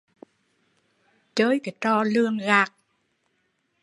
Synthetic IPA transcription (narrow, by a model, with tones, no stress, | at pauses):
t͡ɕəː˧˦jka˨˩t͡ɕ̪ɔː˧lɨ˧əŋɣaː˧˩k̚